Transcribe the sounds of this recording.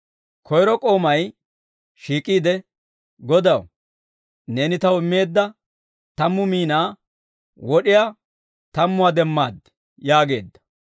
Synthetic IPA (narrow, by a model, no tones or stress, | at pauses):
kʰɔjɾɔkʼo̞ːmɐj | ʃiːkʼiːd̪ɛ | ɡɔd̪ɐw | ne̞ːnɪt̪ɐwɪmːe̞ːd̪ːɐ | t̪ɐmːʊmiːnaː | wɔɗɪjaː | t̪ɐmːʊwad̪ɛmːaːd̪ | jaːɡe̞̰ːd̪ːɐ̥